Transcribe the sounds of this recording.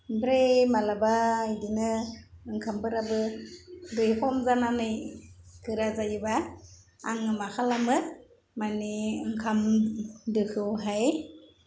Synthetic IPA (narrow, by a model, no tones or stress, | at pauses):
bɾejmalabaajdinɯɯŋkʰambɯɾabɯ | dɯjkʰɔmzananɯjkɯɾazajɯba | aŋɯmakʰalamɯ | maniɯŋkʰamdɯkʰɯwɦaj